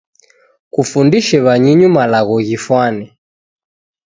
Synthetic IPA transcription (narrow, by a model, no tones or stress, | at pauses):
kufundiʃɛβaɲiɲumalaɣɔɣifwanɛ